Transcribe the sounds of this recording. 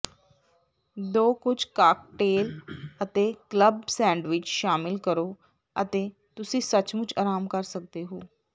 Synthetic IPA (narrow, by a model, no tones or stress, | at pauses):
d̪oːkʊt͡ʃkaːk̚ʈeːlət̪eːkləbsɛ̃ːɳɖʋɪt͡ʃʃaːmɪlkəɾoː | ət̪eː | t̪ʊsĩːsət͡ʃmʊ̃t͡ʃaːɾaːmkəɾsək̚d̪eːɦoː